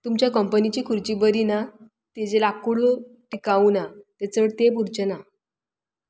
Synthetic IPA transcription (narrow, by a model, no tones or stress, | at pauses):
t̪umt͡ɕjakəmpənit͡ɕiːkʰuɾt͡ɕibəɾina | t̪ed͡ʑelakuɭuʈikaunat̪et͡səɽt̪epuɾt͡ɕəna